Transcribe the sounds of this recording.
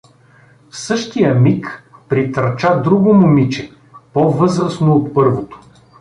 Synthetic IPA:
sɤʃt̪ijəmikpɾit̪əɾt͡ʃad̪ɾuɡʊmʊmit͡ʃɛ | pɔvɤzɾəsnoːt̪pɤɾvot̪o̥

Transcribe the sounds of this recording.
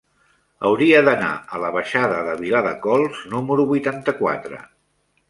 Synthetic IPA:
əwɾiəðəna̰ələβ̞əʃaðəðəβ̞ilaðə̰kɔlˠznuməɾuβujt̪ant̪əkwa̰t̪ɾə̰

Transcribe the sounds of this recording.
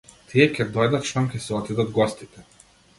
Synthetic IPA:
t̪ʲʰiɛkʲɛd̪ɔjd̪ɐt̪ʃt̪amkʲɛsɛɔt̪id̪ɐt̪ɡɔsʲt̪ʲit̪ʲɛ

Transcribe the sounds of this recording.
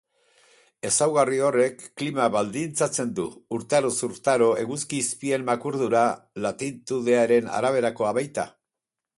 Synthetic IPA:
e̞sawɣario̞re̞kːlimaβald̪int͡sat͡se̞nd̪uːɾt̪aɾosuɾt̪aɾo̞e̞ɣuskiːspie̞mːakuɾðuɾalat̪int̪uðe̞aɾe̞na̰ɾaβ̞e̞ɾako̞aβajt̪a̰

